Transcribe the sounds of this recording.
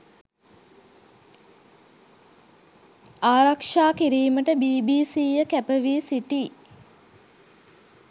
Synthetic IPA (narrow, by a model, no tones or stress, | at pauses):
aːɾakʂaːkiɾiːməʈəbiːbiːsiːjəkæpəʋiːsiʈiː